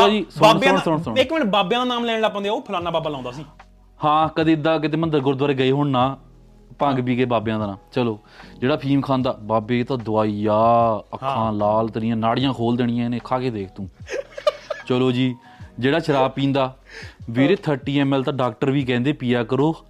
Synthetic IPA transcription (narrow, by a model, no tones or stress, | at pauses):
t͡ʃloːd͡ʒiːsʊɳəɳsʊɳsʊɪkmɪnbaːbjãːd̪aːnaːmlɛːɽ̃ɽaːpə̃nd̪oːpʰlaːnaːbaːbaːlãːnd̪aːsiː | hãːkəd̪ẽːɪd̪aːk̬ɪt̪̬eːmənd̪əɾɡʊɾd̪ʋaːɾeːɡəeːɦoːɳnaː | pə̃ŋɡbiːɡəeːbaːbjãːd̪aːnãːmt͡ʃəloː | d͡ʒeːɽaːpʰiːmkʰãːnd̪aːbaːbeːt̪ãːd̪ʊaːijaːəkʰːãːlaːlt̪nɪjãːnaːɽɪjãːkʰoːld̪eːɽ̃ɪjãːɪneːkʰaːkeːd̪eːkʰt̪ũː | t͡ʃəloːd͡ʒiː | d͡ʒeːɽaːt͡ʃʰəɾaːpĩːnd̪aːʋeːɾeːt̪ʰəɾʈiːɛːmɛːlt̪ãːɖaːk̚ʈəɾʋiːk̬ɛ̃ːnd̪eːpijaːkəɾoː